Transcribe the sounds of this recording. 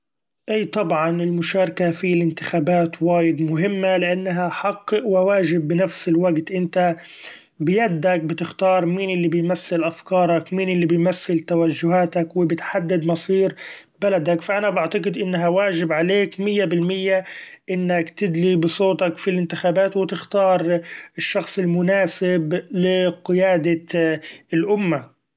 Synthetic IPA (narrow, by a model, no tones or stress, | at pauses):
ʔiːt̪ˤɑbʕɑnɪlmʊʃɑːɾˤɑkafilɪnt̪ɪxaːbaːt̪waːjɪd̪mʊɦɪmːalɪʔanːaɦaħɑqːɨʔwɪwaːʒɪbːɪnafsɪlwaɡt̪ʔɪnt̪a | bɪjad̪ːak̚bɪt̪ɪxt̪ɑːɾˤmiːnʔɪlːibɪjmaθːɪlʔafkɑːɾˤɑkmiːnʔɪlːibɪjmaθːɪlt̪awaʒːʊɦaːt̪akwɪbɪt̪ħad̪ːɪd̪mɑsˤiːɾ | balad̪akfaʔanabaʕt̪aɡɨd̪ʔɪnːɦawaːʒɪbʕaleːkmɪjːabɪlmɪjːaʔɪnːakt̪ɪd̪libɨsˤoːt̪ɑkfilʔɪnt̪ɪxaːbaːt̪wɪt̪ɪxt̪ɑːɾˤɪʃːɑxsˤɪlmʊnaːsɪblɪqɪjaːd̪a | ɪlʔʊmːa